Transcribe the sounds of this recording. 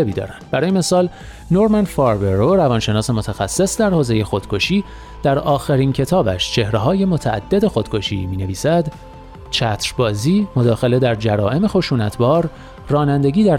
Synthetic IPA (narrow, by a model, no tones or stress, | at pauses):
ebiːd̪ɒ̰ːɾænd̪̥̚bæɾɒːjeme̞sɒːl | noɾmænfɒɾbeɾoɾævɒːnʃe̞nɒːse̞mo̞t̪ʰæxæsːe̞sd̪æɾhoːze̞je̞xo̞d̪̥kʰo̞ʃiː | d̪̥æɾɒːxeɾiːncʰe̞t̪ʰɒːbæ̰ʃt͡ʃʰe̞hɾe̞ɦɒːje̞mo̞t̪ʰæʔæ̰d̪ːe̞d̪e̞xod̪̥̚kʰo̞ʃḭːmiːne̞viːsæd̪ | t͡ʃʰæt̪ʰɾbɒːziːmo̞d̪ɒːxe̞le̞d̪æɾd͡ʒæɾɒ̰ːʔe̞me̞xo̞ʃuːnæt̪ʰbɒːɾ | rɒːnænd̪e̞ɟʲiːd̪æ